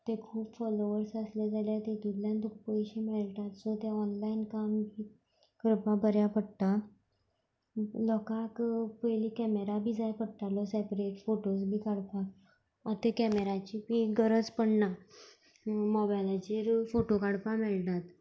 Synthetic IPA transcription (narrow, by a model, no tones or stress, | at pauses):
t̪ẽkʰuːpfɔloʋəɾsəslad͡zaljat̪et̪ud̪ljãnd̪ʱuk̚pəiɕimeɭt̪at̪sɔt̪eɔnlainkambʱiː | kəɾpabəɾjapəɽt̪a | lɔkakpəjlikɛmeɾabʱid͡zajpəɽt̪alɔsɛpɾeʈfoʈosbʱiːkaɽpa | ɔt̪ekɛmeɾat͡ɕibiɡəɾət͡spəɽna | mɔbalat͡ɕiɾfoʈokaɽpamelʈ̪at̪